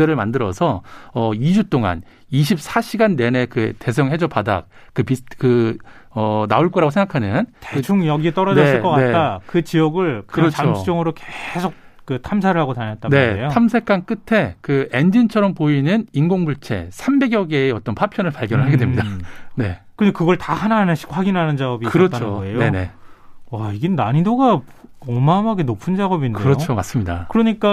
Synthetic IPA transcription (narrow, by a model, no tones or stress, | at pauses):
eɾɯɭmandɯɾʌ̰sʰʌʌid͡ʑut͈oŋa̰n | iɕʰip̚sʰaɕʰiɡanːe̞ne̞kɯte̞s̬ʰʌŋɦe̞d͡ʑʌpada̰k̚ | kɯpikɯ | ʌna̰uɭk͈ʌɾaɡosʰe̞ŋɡakʰanɯnteɯt͡ɕʰuŋjʌɡit͈ʌɾʌd͡ʑʌes͈ɯk͈ʌkae̞t͈akɯt͡ɕiʌɡɯɭkɯɾʌt͡ɕt͡ɕʰot͡ɕ͈oŋɯɾokesʰok̚kɯtʰamsʰaɾɯɭhaɡotaɲat͈̚ane̞ejotʰamsʰe̞k͈ank͈ɯtʰe̞kɯe̞nd͡ʑint͡ɕʰʌɾʌmpoinɯninɡoŋbuɭt͡ɕʰe̞̰sʰambe̞ɡjʌɡeːʌt͈ʌnpʰapʰjʌnɯɭpaɭɡjʌnɯɭɦaɡedwemɲidane̞̰kɯnekɯɡʌɭtahananɯɕ͈ʰi̥kɸwaɡinɦanɯnd͡ʑaɡʌbikɯɾʌt͡ɕnʰoejne̞nḛaiɡenaɲidoɡaʌmamaɡenopʰɯnd͡ʑaɡʌbindkdeɯɾʌt͡ɕʰomas͈ɯmɲida̰kɯɾʌɲik͈a